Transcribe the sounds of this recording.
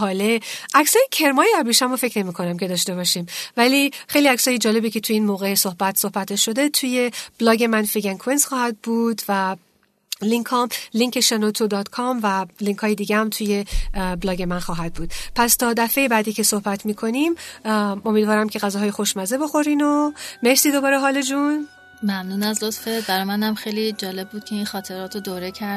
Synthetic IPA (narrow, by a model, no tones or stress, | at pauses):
ɦɒːleʔæcsɒːjecʰe̞ɾmɒːjeæɾbiʃæmofe̞cʰne̞miːkʰo̞næmcʲʰe̞d̪ɒːʃt̪e̞βɒːʃiːmvæliːxe̞jliæcsɒːjed͡ʒɒːle̞biːcʰe̞t̪ʰuiːnmoːɣeso̞hbæt̪sohbæt̪ʰeʃːo̞d̪e̞t̪ʰuje̞b̥lɒːɡe̞mænfiɡænkʰuensxɒːhæd̪̚buːd̪væ | liŋkʰɒːmliŋcʰe̞ʃenot̪ʰod̪ɒːd̪kʰɒmvæliŋkhɒːjed̪iːɡehæmt̪ʰuːje̞blɒːɟe̞mænxɒːɦæd̪̚buːd̪̥̚pʰæst̪ʰɒːd̪æfe̞jebæːd̪iːcʰe̞so̞hbæt̪ʰmiːkʰo̞nim | o̞mid̪vɒːɾæmcʰe̞ɣæzɒːɦɒːjexoʃmæzebo̞xo̞ɾiːno̞me̞ɾsiːd̪o̞bɒːɾeɦɒːle̞d͡ʒun | mæmnuːnæzlot̪febæɾɒːjmænæmxejlid͡ʒɒːle̞bːuːd̪̚cʰe̞inxɒːt̪ʰeɾɒːt̪ʰod̪oɾecʰæɾ